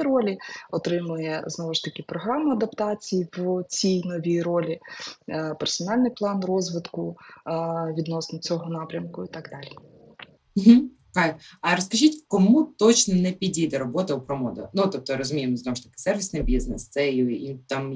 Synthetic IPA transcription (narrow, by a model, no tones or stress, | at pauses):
ɾɔlʲiɔt̪ɾɪmʊjɛznɔʋʊʃt̪ɐkʲɪpɾɔɦɾɑmʊɐd̪ɐpt̪ɑt͡sʲijiʋt͡sʲijnɔʋʲijɾɔlʲi | pɛrsɔnɑlʲnɪjplˠɑnrɔzʋɪt̪kʊ | ʋʲid̪nɔsnʊt͡sʲɔɦɔnɑpɾʲɐmkʊit̪ɑɡd̪ɑlʲi | m̩ɦ̩ | kɑjɐɾɔskɐʒitʲkɔmut̪ɔt͡ʃnɔnɛpʲidʲijd̪ɛɾɔbɔt̪ɐupɾɔmɔd̪ɐ̰nut̪ɔp̚t̪ɔɾɔzʊmʲijemznɔwʊʃt̪ɐ̥kɪ̥sɛrʋʲisnɪjbʲiznɛst̪sɛit̪ɑm